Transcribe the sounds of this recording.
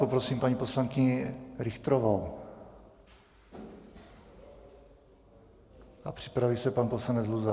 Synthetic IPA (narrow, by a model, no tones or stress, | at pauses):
popɾosiːmpaɲipo̞slaŋkɪɲɪɾɪxt̪ɾovow | ʔapr̝̥ɪ̥pɾavisɛpanposlanɛd͡zluza